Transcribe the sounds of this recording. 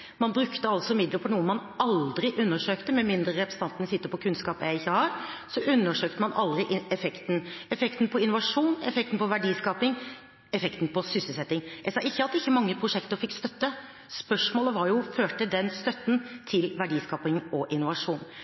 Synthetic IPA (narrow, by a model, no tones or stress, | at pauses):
mɑnbɾʉkt̪əɑlsɔmɪd̪ləpʰɔnuːəmɑnɑld̪ɾɪʔʉnːəʂøːkt̪əmɛmɪnd̪ɾəɾɛpɾɛst̪ɑnt̪nəsɪt̪ːəpɔkʰʉnskɑːpjæɪçːəhɑɾsɔʔʉnːəʂøːkt̪əmɑnɑ̰ld̪ɾɪʔɛfɛkt̪n̩ɛfɛkt̪n̩pʰɔɪnʊʋɑʂuːnɛ̰fɛk̚t̪n̩pɔʋæɖiːskɑːpɪŋ | ɛfɛkt̪n̩pʰɔsʏsəlsɛt̪ːɪŋʔɛsɑɪçːəɑt̪d̪ɛɪçːəmɑŋːəpʰɾʊʂɛkt̪əɾfɪkːst̪œt̪ːə | spœʂmoːləʋɑɾjʊføːʈəd̪ɛnst̪œt̪ːn̩t̪ʰɪlʋæɖiːskɑːpɪŋɔʔɪnːʊʋɑʂuːn